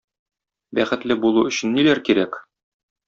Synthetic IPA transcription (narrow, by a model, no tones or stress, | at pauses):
bæχɘ̆t̪lɘbulˠuɵ̆ɕɘ̆nːilæɾkiɾæk